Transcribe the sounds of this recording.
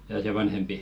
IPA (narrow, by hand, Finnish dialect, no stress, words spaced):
jɑː se ʋɑnhempi